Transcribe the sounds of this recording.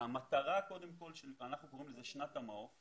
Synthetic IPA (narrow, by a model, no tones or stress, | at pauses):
amat̪aʁako̞d̪e̞mko̞lʃelanaχnuko̞ʁimlezeʃnatamaof